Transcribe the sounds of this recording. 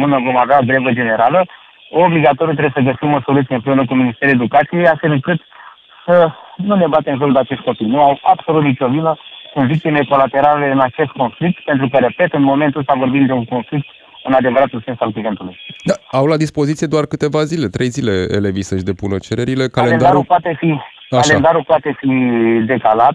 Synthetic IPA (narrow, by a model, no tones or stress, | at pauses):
mɨnəɡomadabɾevəd͡ʒe̞ne̞ɾalə | obliɡat̪oɾjut̪̬ɾejesəɡəsimo̞so̞lut̪ieɨmpɾeunəkuminist̪e̞ɾued̪ukat̪sijejasfelɨŋkɨt̪ | sənune̞bat̪e̞mʒold̪eat͡ʃe̞st̪ko̞pijnuawa̰bso̞lut̪nit͡ʃovinəkonvik̚t̪imeko̞lat̪e̞ɾaleɨnat͡ʃe̞st̪̚ko̞nflik̚t̪pe̞nt̪ɾukəɾe̞pe̞t̪ɨnmo̞me̞nt̪ɨlst̪avo̞rbimd̪e̞uŋko̞nflik̚t̪ | ɨnad̪e̞vəɾat̪ulse̞nsalkivent̪ulujd̪aawlad̪ispo̞zit̪sijed̪oarkɨt̪e̞vazile̞t̪ɾe̞jzile̞ḛle̞visəʃd̪e̞punət͡ʃe̞ɾe̞ɾile̞kalend̪aɾaɾupoat̪e̞fi | akaend̪aɾupoat̪e̞fid̪e̞kalat̪̚